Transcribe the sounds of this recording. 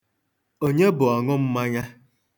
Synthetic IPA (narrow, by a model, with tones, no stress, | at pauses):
o˦ɲe˦bʊ˨a˨ŋʊ˦m̩˦ma˦ɲa˦